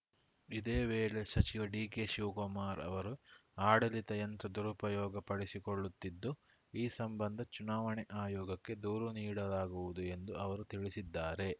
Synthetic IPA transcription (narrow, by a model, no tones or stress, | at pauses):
id̪eːʋeːɭe̞sɐt͡ʃiʋɐɖiːkeʃuːkomaːɾɐ̰ʋɐɾuaːɽɐlit̪ɐjɐnt̪ɾɐd̪uɾupɐjɔːɡɐpɐɽisikoɭːut̪ːid̪ːu | iːsɐmbɐnd̪ʱɐt͡ʃunaːʋɐɳɛʔaːjɔːɡɐkːe̞d̪uːɾuniːɽɐlaːɡuʋud̪ue̞nd̪uɐʋɐɾut̪iɭisid̪ːaːɾe̞